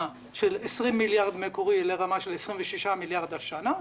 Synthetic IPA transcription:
a | ʃelesʁimːiljaʁd̪mekoʁileʁamaʃelesʁimveʃiʃamiljaʁd̪aʃana

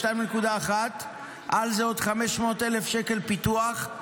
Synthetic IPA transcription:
tajmnekud̪aːχat̪ | ʔalzeod̪χameʃmo̞ːt̪elefʃeke̞lpit̪uaχ

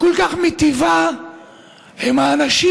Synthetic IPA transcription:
kolkaχmit̪iva | hemaːnaʃi

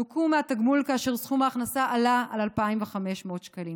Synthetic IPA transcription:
ukumeat̪aɡmulkaːʃe̞ʁsχumaːχnasaʔalaalalpaimveχame̞ʃmeot̪ʃkalim

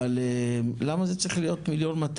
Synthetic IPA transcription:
alelamazet͡sʁiχlijo̞t̪miljo̞nmat̪

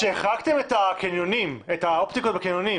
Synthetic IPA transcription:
ʃeːχakt̪e̞metakenjonimetao̞pt̪iko̞t̚bakenjoni

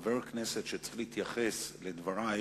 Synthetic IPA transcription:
veɾknɛset̪ʃet͡slihit̪jaχesled̪vaɾa

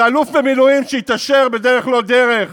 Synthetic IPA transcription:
alufvemilujimʃeit̪aʃeʁbed̪eʁeχlo̞d̪eʁeχ

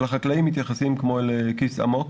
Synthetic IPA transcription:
laχaklaimːit̪jaχasimkmolekisa̰mok

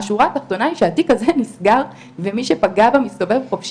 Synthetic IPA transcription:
ʃuʁat̪aχt̪o̞naiʃeatikazenisɡaʁ | vemiʃepaɡabamisto̞ve̞vχofʃ

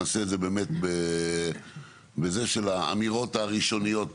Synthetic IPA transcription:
aseːdzebe̞ːme̞t̪be | beze̞ʃelaa̰miʁo̞taʁiʃo̞nijo̞t̚

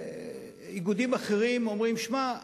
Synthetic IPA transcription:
iɡud̪imaχeʁimo̞mʁimʃma

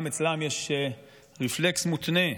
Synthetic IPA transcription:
met͡slamjeʃ | ʁifleksmut̪ne

